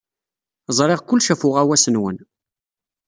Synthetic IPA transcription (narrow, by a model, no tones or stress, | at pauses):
zˤɾˤɪʁkʷʊlːʃæfʊʁæwæsənwən